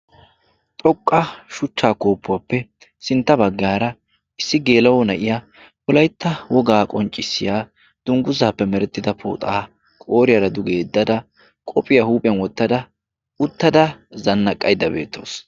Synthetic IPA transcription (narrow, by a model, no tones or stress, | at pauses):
t̪ʼɔkʼːɐʃʊt͡ʃːaːko̞ːpːʊwaːpːɛ | sɪnt̪ːɐbɐɡːaːɾɐ | ɪsːɪɡe̞ːlɐwɔnɐʔɪjɐ | pɔlɐjt̪ːɐwɔɡaːkʼɔnt͡ʃʼːɪsːɪjaː | d̪̥ʊŋɡʊzaːpːɛmɛɾɛt̪ːɪd̪ɐpʰo̰ːt̪ʼaː | kʼoːɾɪjɐɾɐd̪ʊɡe̞ːd̪ːɐd̪ɐ | kʼɔpʼɪjɐhuːpʼɪjɐnwɔt̪ːɐd̪ɐ | ʊt̪ːɐd̪ɐzɐnːɐkʼːɐjd̪ːɐbe̞̰ːt̪ːo̞̰ːs